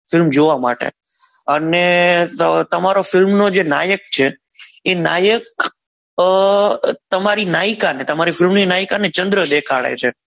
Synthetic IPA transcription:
fɪlmd͡ʒoʋama̰ʈḛ | əne | t̪əmaɾofɪlmnod͡ʒena̰jək̚t͡ʃʰeː | na̰jək̚ | t̪əmaɾinaikanet̪əmaɾifɪlmninaikanet͡ʃənd̪ɾəd̪ekʰaɭḛt͡ʃʰe

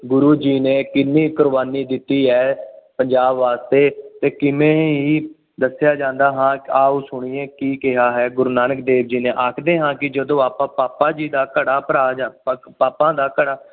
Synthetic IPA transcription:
ɡʊɾuːd͡ʒiːneːkɪnːiːkʊɾʋaːniːd̪ɪt̪ːiːɦɛːpəɲd͡ʒaːbʋaːst̪eːt̪eːkɪmẽːiː | d̪əsjaːd͡ʒãːnd̪aːɦãːaːuːsʊɽ̃iẽːkiːkɪɦaːɦɛːɡʊɾuːnaːnək̚d̪eːʋd͡ʒiːneːʔaːkʰd̪eːɦãːkɪd͡ʒəd̪õːaːpãːpaːpãːd͡ʒiːd̪aːkəɽaːpəɾaːd͡ʒa | paːpãːd̪aːkəɽaː

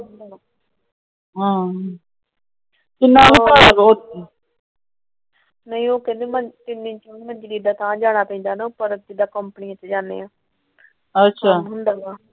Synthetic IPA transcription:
ɦãː | t̪ɪnãːbipaːɽaːbɔːt̪e | nəĩːoːkɛ̃ːnd̪eːmət̪ɪnːĩt͡ʃoiməɲd͡ʒliːd̪aːt̪ãːd͡ʒaːɽ̃aːpə̃ĩːnd̪aːnaʊpəɾəd͡ʒ̪ɪd̪aːkəmpəniãt͡ʃed͡ʒaːnḛːãː | ətːʃʰaːɦʊnd̪aːɡaː

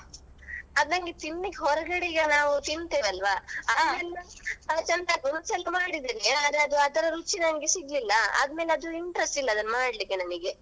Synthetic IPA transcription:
ɐd̪nɐŋɡet̪inːiɡɦɔɾɐɡɐɽiɡɐnaːʋut̪int̪eːʋɐlʋaɐd̪meːl | t͡ʃɛnd̪ɐɡond̪sɛlːɐmaːɽid̪iːɾeɐd̪ɾeɐd̪uɐd̪ɐɾɐɾut͡ʃːinɐniɡesiɡlilːɐɐ̰d̪meːleɐd̪uiɳʈɾesʈilːɐːd̪ɐnɐmaːɽlikːenɐniɡe̞

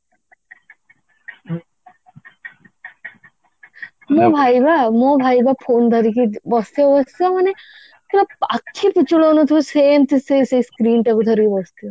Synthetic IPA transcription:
mõbʱajbamobʱajbapʰond̪ʱɔɾikibɔst̪ijɔbɔst̪ijɔmane | k̪ilaakʰːiput͡ɕuɭonɔt̪ʰiuseːmt̪ʰisejseiskɾiːnʈakud̪ʱɔɾikibɔst̪iɔ

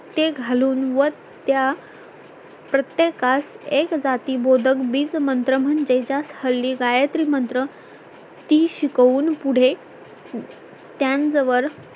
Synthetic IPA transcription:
t̪eɡʱaluːnʋə | t̪ja | pɾət̪jekasekd͡zat̪iːbod̪ʱəkbiːt͡smənt̪ɾəm̤ənd͡ʑed͡ʑashəlːiːɡajət̪ɾiːmənt̪ɾə | t̪iːɕikəuːnpuɽ̤e | t̪jand͡zəʋəɾ

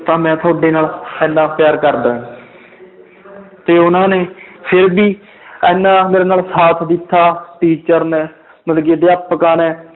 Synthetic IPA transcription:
t̪ãːmɛ̃ːt̪ʰʊaːɖeːnaːlɛ̃ːnːãːpjaːɾkəɾd̪ãː | t̪eːʊnãːneːpʰɪɾbiː | ɛːnːãːmeːɾeːnaːlsaːt̪ʰd̪ɪt̪ʰːaːʈiːt͡ʃəɾnẽː | məlɡeːd̪eːapːkaːnɛ̃ː

